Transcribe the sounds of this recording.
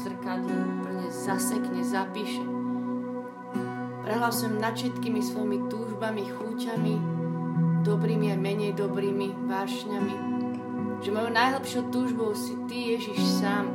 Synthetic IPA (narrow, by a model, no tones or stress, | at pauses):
zr̩kad̪uuːpl̩ɲɛzasɛkɲɛzapiːʃɛ | pɾɛɦlaʊsɔmnat̪ʃɛt̪kiːmisʋɔjmit̪uːʒbamixuːcami | d̪ɔbɾiːmiajmɛɲɛjd̪ɔbɾiːmi | baːʃɲami | ʒ̥ɛmɔjonajɦlɛpʃɪɔʊt̪uːʒbɔʊsit̪ijɛʒiʃsaːm